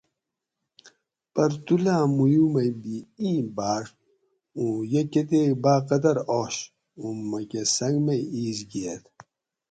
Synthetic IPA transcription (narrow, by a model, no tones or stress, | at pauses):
pɐɾt̪ulaːmujumɐjbiĩːbaːʂ | ũːjɐket̪̬ebaːqɐd̪ɐɾoːɕ | ummːɐkesɐŋɡmɐjiːzɡiet̪